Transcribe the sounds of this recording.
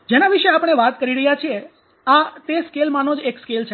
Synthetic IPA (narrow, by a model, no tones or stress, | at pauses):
d͡ʒenaʋiʃeapəɽ̃eʋat̪kəɾiɾəɦjat͡ʃʰie | at̪eskelmanod͡ʒekskelt͡ʃʰe